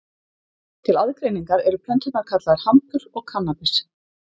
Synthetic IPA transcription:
t̪ʰɪlaðkɾejniŋkaɾɛɾʏpʰlɛnt̪ʏt̪naɾkʰat̪laðaɾ̥hamp̪ʏɾɔɣkʰanːapɪs

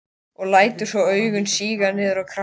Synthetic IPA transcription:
ɔɣlaːjt̪ʏ̥svɔœːɥɣʏnsiːɣanɛːðʏɾawkʰɾa

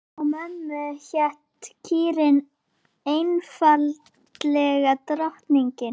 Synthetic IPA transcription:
amɛnːʏçɛht̪cʰiːɾɪn | ejnfaltt̪lɛɣat̪ɾaht̪niɲcɪn

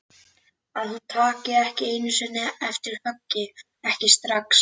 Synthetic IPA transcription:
aðθut̪ʰaːcɪɛhcɪeːjnʏsɛnːɪɛft̪ɪɾ̥hœcːɪ | ɛhcɪst̪ɾaks

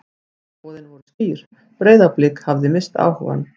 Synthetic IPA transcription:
ɔːðɪnvɔɾʏspiːɾ̥ | pɾeːjðaplɪkhavðɪmɪst̪a̰ːwhɔ̰va̰n

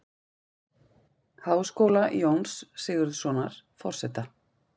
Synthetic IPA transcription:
haːwskoːwlajownsːɪɣʏɾðsɔːnaɾ̥fɔr̥sɛt̪a

